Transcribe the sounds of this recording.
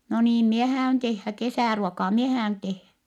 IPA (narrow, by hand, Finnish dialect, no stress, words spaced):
no niːm mie hæːyn tehːæ kesæˑruokɑː mie hæːyn tehːæ